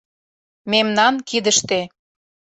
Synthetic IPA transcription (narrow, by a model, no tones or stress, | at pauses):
memnɑnkid̪əʃt̪e